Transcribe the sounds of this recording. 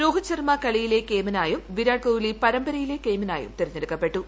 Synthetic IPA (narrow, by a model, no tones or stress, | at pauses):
ɾoːɦɐt͡ɕːɐrmɐkɐɭijile̞keːminaːjumʋiɾaːʈ̚koːwilipɐɾɐmbɐɾɐjile̞ke̞ːmina̰ːjṵmtt̪eɾɐɲːeɽukːɐpːe̞ʈːu